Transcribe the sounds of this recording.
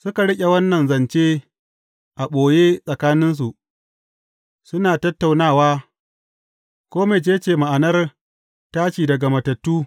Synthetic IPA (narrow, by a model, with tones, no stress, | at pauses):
sʊ˦ka˨ɽɪ˦kʲʼe˨wɐ˦nːɐ˨nzɐ˨nt͡ʃeː˦ | ʔa˨ɓoː˨jeː˦sʼɐ˨kaː˦nɪ˦ns̬u˨ʔ | sʊ˦naː˨tɐ˦tːa˨wnaː˦˨waː˦ | kʷoː˦me˨d͡ʒeː˦t͡ʃeː˨ma˨ʔa˨nɐ˦r | taː˦ʃiː˨dɐ˨ɡa˨mɐ˨tɐ˨tːuː˦